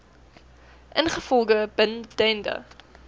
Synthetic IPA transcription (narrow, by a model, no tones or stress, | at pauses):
ʔənχəfɔlˠɡəb̥əndɛndə̰